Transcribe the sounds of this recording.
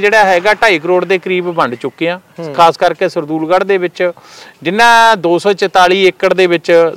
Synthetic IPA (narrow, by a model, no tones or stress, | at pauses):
d͡ʒeːɽaːɦɛːɡaːʈaːiːkəɾoːɽd̪eːkəɾiːbbəɳɖt͡ʃʊkːeːãːkʰaːskəɾkeːsəɾd̪uːlɡaɽd̪eːbɪt͡ʃ | d͡ʒɪnːãːd̪oːsɔːt͡ʃət̪aːliːekːəʈd̪eːʋɪt͡ʃ